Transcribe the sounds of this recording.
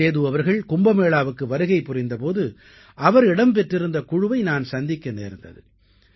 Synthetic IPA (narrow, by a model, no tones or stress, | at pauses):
eːðɯʋɐʋɐɾɣɐɭkʊmbɐmeːɭaːʋɯkːɯʋɐɾɯɣɐɪpːʊrɪnd̪ɐpoːðɯ | ʔɐʋɐɾɪɽɐmpɛʈrɪɾɯnd̪ɐkʊɻɯʋɐɪnaːnsɐnd̪ɪkːɐnḛːɾɯnd̪ɐ̰ðɯ̰